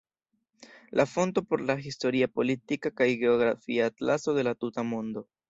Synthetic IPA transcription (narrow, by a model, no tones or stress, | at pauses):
lʔafo̞nto̞po̞ɾlaɦisto̞ɾiapo̞litikakajɡe̞oɡɾafḭaːtlaso̞de̞latutamo̞ndo̞